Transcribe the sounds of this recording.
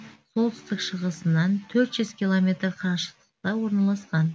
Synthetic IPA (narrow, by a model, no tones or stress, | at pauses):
so̞lˠt̪ʰʏ̥st̪ɪkʃəʁəsənɑnt̪ʰɵɾt̪ʒʏz̥kʲilˠomʲe̞t̪rqʰɑʃə̥qt̪ə̥qt̪ɑwo̞ɾnɑlˠɑsqɑn